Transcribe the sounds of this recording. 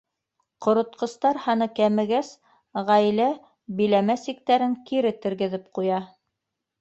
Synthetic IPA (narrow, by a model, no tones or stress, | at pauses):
qŏɾŏt̪̚qɤ̆st̪ɑɾhɑnɤkæmɘ̆ɡæs | ʁæjlæ | bilæmæsik̚t̪æɾɘŋkiɾɘt̪ɘ̆ɾɡɘ̆ðɘp̚qujɑ